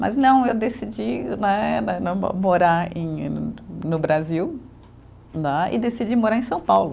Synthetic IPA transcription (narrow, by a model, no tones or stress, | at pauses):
mɐ̰znɐ̃w̃ewd̪esid͡ʒinɛnɛnɐ̃moɾaɾḛ̃j̃ | nʊbɾaziw | naɪ̰d̪esid͡ʒimoɾaɾẽj̃sɐ̃w̃pawlʊ